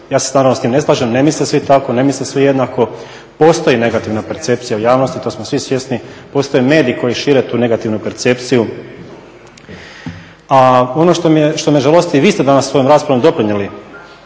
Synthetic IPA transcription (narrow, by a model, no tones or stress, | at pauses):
jaːsesnaːɾaʋnost̪imne̞slˠaːʒemnemislisʋit̪ako̞nemislisʋijed̪nako̞ | po̞ːst̪o̞jine̞ɡat̪iʋnape̞ɾt̪se̞pt̪sijaujaːʋnost̪it̪o̞ːsmosʋisʋje̞snipo̞ːst̪o̞jeme̞ːd̪iiko̞jiʃiːɾe̞t̪uːne̞ɡat̪iʋnupe̞ɾt̪se̞pt̪siju | ao̞noʃt̪omijeʃt̪omieʒalˠost̪iʋiːst̪ed̪anasːʋo̞jomɾaːspɾaʋomd̪o̞pɾiɲali